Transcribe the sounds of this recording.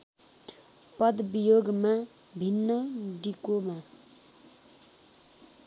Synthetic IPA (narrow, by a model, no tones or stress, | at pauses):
pʌd̪bijoɡma | bʱinːʌɖikoma